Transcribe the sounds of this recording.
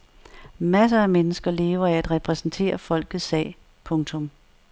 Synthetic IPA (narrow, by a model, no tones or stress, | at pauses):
mæs̬əæmenəsɡ̥ɐle̝ːʊɐiæd̥ʁɛpʰʁɛsn̩t͡sʰe̝̰ːɐfɒ̽l̰ɡ̥ð̩ˠsːɛ̰ː | pʰɔ̽ŋt͡sʰɔ̽m